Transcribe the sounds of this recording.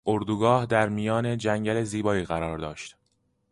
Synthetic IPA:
ʔoɾd̪uɡɒːhd̪æɾmijɒːne̞d͡ʒæɲɟæle̞ziːbɒːiːɣæɾɒːɾd̪ɒːʃt̪

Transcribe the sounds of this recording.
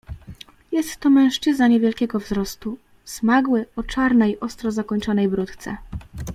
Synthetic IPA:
jɛst̪ːɔmɛ̃w̃ʂt͡ʂɘznaɲɛvʲjɛlkʲɛɡɔvzɾɔst̪u | smaɡwɘɔt͡ʂaɾnɛjʔɔst̪ɾɔzakɔɲt͡ʂɔnɛjbɾut̪t̪sɛ̰

